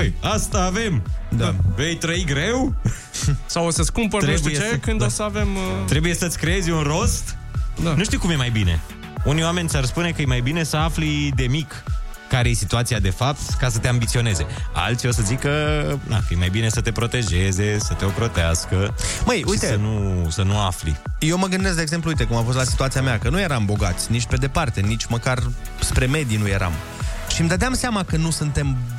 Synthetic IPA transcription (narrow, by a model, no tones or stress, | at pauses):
jast̪aːve̞md̪ave̞jt̪ɾəiɡɾe̞w | sawosəskumpəɾt̪ɾeʃbjeekɨnd̪osəavemt̪ɾe̞buje̞sət̪sʲkɾee̞zʲunro̞st̪d̪anuʃt̪iuwkumjemajbine̞ | unijoame̞nʲsarspune̞kəjemajbine̞səaflid̪e̞mikː | aɾeje̞sit̪uat̪siad̪e̞fap̚t̪kasət̪e̞ambit̪sio̞ne̞ze̞a̰lt̪sʲio̞səzikəd̪a̰kəjemajbine̞sət̪e̞pɾo̞t̪eʒe̞ze̞sət̪e̞o̞pɾo̞t̪easkəməjuijt̪eənusənuaflḭjewməɡɨnd̪eskd̪eɡze̞mp̬lujt̪e̞kumafost̪lasi̥t̪uat̪siameakənuje̞ɾambo̞ɡat̪sʲnit͡ʃpe̞d̪e̞part̪e̞nit͡ʃʲməkarspɾe̞me̞d̪inuje̞ɾa̰m | ʃimd̪əd̪eamseamakənusunt̪e̞m